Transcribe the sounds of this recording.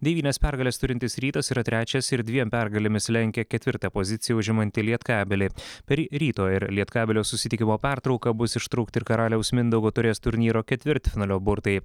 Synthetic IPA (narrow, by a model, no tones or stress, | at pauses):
d̪ʲɛʋʲiːnʲɛspʲæɾɡɐlʲɛːst̪ʊɾʲɪnt̪ʲɪsɾʲiːt̪ɐsiːɾɐt̪ʲɾʲæːt͡ʃʲɛsɪɾd̪ʲʋʲiɛmpʲæɾɡɐlʲɪmʲɪslʲɛŋʲkʲɛkʲɛt̪ʲʋʲɪɾt̪ɑpozʲɪt̪sʲɪjɛʊʒʲɪmɐnʲt̪ʲɪlʲiɛt̪kɑːbʲɛlʲɪpʲɛɾɾʲiːt̪oːɪɾlʲiɛt̪kɑːbʲɛlʲoːsʊsʲɪt̪ʲɪkʲɪmoːpʲɛɾt̪ɾɒʊkɐbʊsɪʃt̪ɾɐʊkt̪ʲɪɾkɐɾɑːlʲɛʊsmʲɪnd̪ɐɡot̪ʊɾʲeːst̪ʊɾʲnʲiːɾoːkʲɛt̪ʲʋʲɪɾʲt̪ʲfʲɪnɐlʲoːbʊɾt̪ɐɪ